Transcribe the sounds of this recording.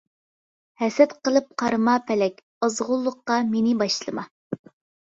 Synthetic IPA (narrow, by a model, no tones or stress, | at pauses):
hɛsɛt̪qəlˠɨp̚qʰɑɾɨmɑpʰɛlɛkʲ | ɑzʁʊlˠːʊqːɑmenɪbɑʃlˠɨmɑ